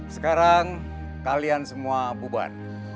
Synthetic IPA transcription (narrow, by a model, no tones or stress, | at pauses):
səkaɾaŋ | kaliansəmuabuba̰t̪̚